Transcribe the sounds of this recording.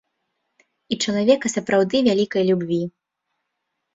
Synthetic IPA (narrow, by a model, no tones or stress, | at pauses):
it͡ʂɐlˠavʲɛkɐsɐpɾawd̪ɨvʲalʲikɐjlʲubʲvʲi